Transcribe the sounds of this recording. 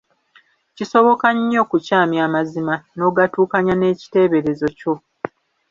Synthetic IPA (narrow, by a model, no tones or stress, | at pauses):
ciso̞βo̞kaɲːo̞ːkucaːmjaːmazimano̞ːɡatuːkaɲane̞ːci̥te̞ːβe̞ɾe̞zo̞co̞